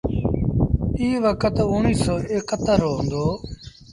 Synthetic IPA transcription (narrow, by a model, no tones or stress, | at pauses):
iːʋəkət̪ʊniːsoːeːkːət̪əɾɦõnd̪oː